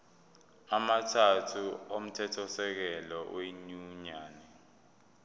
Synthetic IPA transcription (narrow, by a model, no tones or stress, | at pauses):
amatʰatʰuom̩tʰɛtʰɔsɛk̬ɛlɔweɲuɲaːnɛ